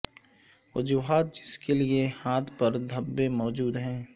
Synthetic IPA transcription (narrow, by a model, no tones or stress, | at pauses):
ʋʊd͡ʒuːɦaːt̪̚d͡ʒɪskeliehaːt̪ʰpɐɾd̪ʱɐbːemɔːd͡ʒuːd̪ɦɛ̃ː